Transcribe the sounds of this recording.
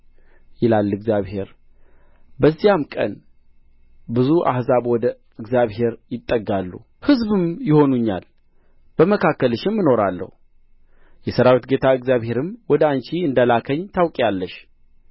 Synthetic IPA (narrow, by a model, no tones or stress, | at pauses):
jɪlalːɨɡzjaβhe̞ɾ | bəzːijamkʼə̰n | bɨzuʔa̰hzaβwɔd̪ə | ɨɡzʲjaβhe̞ɾjɪt̪ʼːəɡːalːu | hɨzbɨmjɪho̞nuɲːa̰l | b̥əməkʰakːəlɨʃɪmːɨno̞ɾalːə̰hu | jɛsəɾawit̪ɡe̞t̪ʰaɨɡzjaβhe̞ɾɨmwɔd̪əant͡ʃiɨnd̪alakʰəɲːt̪ʰawkʼalːəʃ